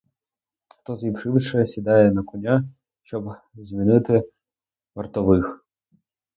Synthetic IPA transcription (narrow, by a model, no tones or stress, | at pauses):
xt̪ɔzjʲiwʃɪwʃɛsʲid̪ɑjɛnɐkɔnʲa | ʃt͡ʃɔb | zʲmʲinɪt̪ɪ | ʋɐrt̪ɔʋɪx